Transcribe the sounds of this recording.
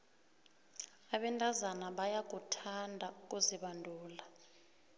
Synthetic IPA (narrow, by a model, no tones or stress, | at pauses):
aɓɛntʼazanaɓajak̬ʼutʰandʱauk̬ʼuziɓandʱuːla